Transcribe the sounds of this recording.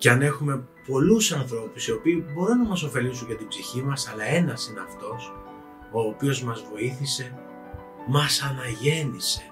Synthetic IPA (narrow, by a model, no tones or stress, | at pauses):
ceɐne̞xume̞ | po̞lusɐnθɾo̞pusio̞piːbo̞ɾunɐmɐs̬o̞fe̞lis̬uɲɟɐt̪ibziçimɐsɐlɐe̞nɐsine̞ɐft̪o̞s | o̞ːpio̞zmɐzvo̞iθise̞ | mɐsɐnɐʝe̞nise̞̥